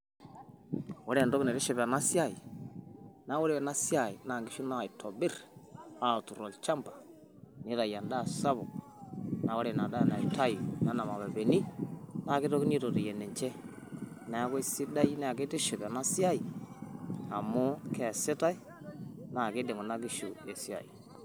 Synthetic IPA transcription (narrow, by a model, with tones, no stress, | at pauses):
wo˦ɾe˦˨do˦˨na˨ɾe˦ʃɛ˨ba˨na˦si˦a˦˨i˨ | na˨˦wo˦ɾe˦ɛ˨na˦sja˦˨i˨na˨ŋɡi˦ʃu˦na˦˨i˨tʰo˨bɪ˦ɾa˦˨tu˨ɾo˨lt͡ʃa˦mba˨ | ni˦ɾa˨ja˨nda˦˨sa˦βo˨ | na˨wo˦ɾe˨na˨da˦jna˨i˨ta˦ji˨na˦na˨ma˨ba˨be˨ni˦na˦˨ɡi˦to˦ki˦ni˦to˨ɾi˨je˨ne˨ɲt͡ʃe˦ | na˨˦ko˦si˦da˦jna˦a˨ke˦te˦ʃe˨ba˨na˦si˦a˦ji˨ | a˨mu˦ke˦˨si˦ta˦i˦ | na˨ke˦de˨ŋo˨na˦ɡi˦ʃu˨e˨si˦a̰˨ḭ˨